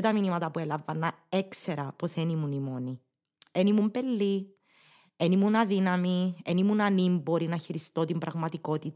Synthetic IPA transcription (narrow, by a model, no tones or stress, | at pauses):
t̪ɐminimɐt̪ɐpuelɐvɐnːɐekseɾɐpo̞senimunimoni | enimumpelːi | enimunɐðinɐmienimunɐnimbo̞ɾinɐçiɾist̪o̞t̪imbɾɐɣmɐt̪iko̞t̪it̪